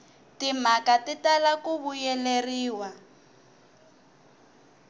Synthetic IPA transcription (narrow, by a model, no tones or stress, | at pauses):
timakatitalakuβujɛleriːwa